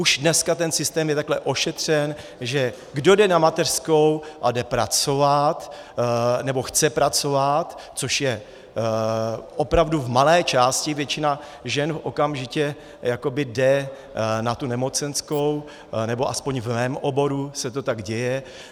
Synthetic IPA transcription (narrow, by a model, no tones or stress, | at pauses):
uʒdnɛskat̪ɛnsɪst̪ɛːmjɛt̪aklɛʔo̞ʃɛt̪r̝̥ɛn | ʒɛ | ɡdo̞dɛnamat̪ɛr̥sko̞wʔadɛpɾat͡so̞vat̪ | nɛbo̞xt͡sɛpɾat͡so̞vat̪t͡so̞ʃjɛ | ʔo̞pɾavduvmalɛːt͡ʃaːscɪvjɛt͡ʃɪna | ʒɛnfʔo̞kamʒɪcɛ | jako̞bɪdɛ | nat̪unɛmo̞t͡sɛnsko̞w | nɛbo̞ʔaspo̞ɲvmɛːmʔo̞bo̞ɾusɛt̪o̞t̪aɡɟɛjɛ